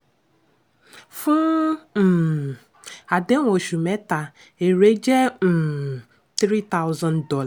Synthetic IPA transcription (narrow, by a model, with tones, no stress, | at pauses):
fʊ˦˨ | a˨de˦ŋʷo˨ʃu˨me˦ta˨ | e˨ɾe˦d͡ʒe˦˨ | t̪ɾi˦t̪a˦ʊ˦za˦ndɔ˦l